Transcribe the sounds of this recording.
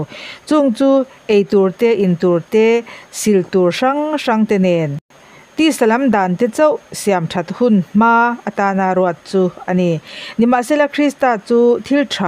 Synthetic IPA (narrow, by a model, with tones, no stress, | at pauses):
t͡su˧ŋt͡suː˦ʔe˨jt̪u˨rt̪ɛ˦ʔi˨nt̪u˨rt̪ɛ˦si˧lt̪u˨rʂɐ˦ŋʂɐ˧ŋt̪ɛ˧nɛ˨˩n | t̪i˦sɐ˨lɐ˦md̪aː˨nt̪ɛ˦t͡sɐ˦wsi˨a˨mʈʰɐ˧˨t̪̚hunm̥aː˦ʔɐ˧t̪aː˧naː˧ɾu˧at̪̚t͡suː˧ʔɐ˧ni˨ni˨ma˨ʔsɛ˦˨la˧kʰɾi˦st̪aː˧t͡suː˦t̪ʰi˧lʈʰra